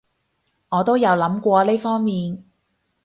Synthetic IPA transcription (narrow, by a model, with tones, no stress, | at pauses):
ŋɔː˨˧t̪o˥wjɐ˨˧wlɐ˨˥mkʷɔː˧leː˥fɔː˥ŋmiː˨n